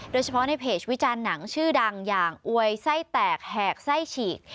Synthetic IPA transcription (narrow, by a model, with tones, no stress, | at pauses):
doː˧jt͡ɕʰa˧pʰɔ˦˥na˧jpʰeː˨˩wi˦˥t͡ɕaː˧nːa˩˦ŋt͡ɕʰɯː˥˩da˧ŋjaː˨˩ŋʔu˧əjsa˥˩jt̪ɛː˨˩k̚hɛː˨˩k̚sa˥˩jt͡ɕʰiː˨˩k̚